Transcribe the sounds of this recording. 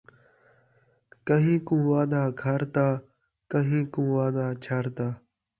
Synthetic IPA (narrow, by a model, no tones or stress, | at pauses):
kəɦĩːkũːʋaːnaːkʰəɾt̪aː | kəɦĩːkũːʋaːnaːt͡ʃʰəɾt̪aː